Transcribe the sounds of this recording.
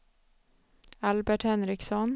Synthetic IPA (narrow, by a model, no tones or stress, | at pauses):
albæʈhɛnɾɪksɔn